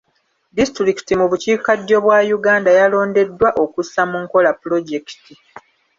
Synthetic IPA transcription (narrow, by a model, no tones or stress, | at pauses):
distɾiki̥timuβuciːkadːo̞βwajuɡaːndajalo̞ːnde̞dːwaʔo̞kusːamuŋko̞lapulo̞ɟe̞ki̥ti